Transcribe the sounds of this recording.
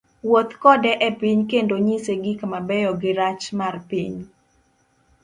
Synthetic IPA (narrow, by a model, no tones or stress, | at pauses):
wot̪kɔdɛʔɛpiɲkendoɲiseɡɪkamabɛjɔɡɪɾat͡ʃmarpiɲ